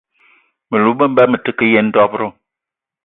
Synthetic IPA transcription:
mə˨lu˨˦bə˦m̩˦bɛ˦mə˨tə˦kə˦je˦n̩˦dɔ˦pɾo˦˨

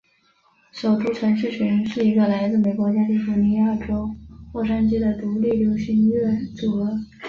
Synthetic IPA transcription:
ʂo˨˩ʊt̪u˥t͡ɕʰɥɛ˧˥nʂɻ̩˥˩t͡ɕʰy˧˥nʂɻ̩˥˩i˧˥ɡə˧la˧˥ɪt͡sɹ̩˥˩me˨˩ɪkwɔ˧˥t͡ɕja˥t̪i˥˩fu˧˥ni˧˥ja˥˩ʈ͡ʂo˥ʊxwɔ˥˩ʂa˥nt͡ɕi˥d̪ə˨t̪u˧˥li˥˩ljo˧˥ʊɕi˧˥n˥ɛ˥˩˥t͡su˨˩ɤ˧˥

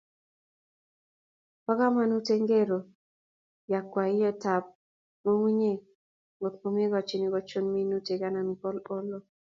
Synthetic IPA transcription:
pɔ˦ka˦ma˦nu˦te˦ŋɡe˦˨ɾo˨ | ja˨kwa˨ɪ˦jɛ˦ta˨p̚ | mo˦ŋwi˦ɲe˦ | ŋɡo˨tpo˨m˦e˦ɡɔ˨t͡ʃi˨ni˨ɡɔ˨˦t͡ʃo˦nmi˦nu˦te˨ka˦na˨n˨kɔ˦lɔ˦lɔ˦

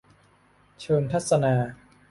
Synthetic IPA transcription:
t͡ɕʰɤː˧nt̪ʰa˦˥t̪̚sa˧naː˧

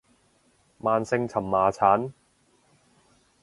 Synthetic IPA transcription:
maː˨˧nsɪ˧ŋt͡sʰɐ˨˩mːaː˨˧t͡sʰaː˨˥n

